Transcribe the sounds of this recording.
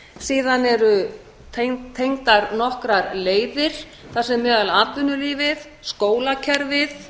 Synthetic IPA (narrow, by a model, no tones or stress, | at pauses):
siːðanɛɾʏ | t̪ʰt̪ʰejŋt̪aɾnɔhkɾaɾleːjðɪɾ̥ | θasɛmːœːðalaːt̪vʏnʏliːvɪð | skoːwlacʰɛɾvɪð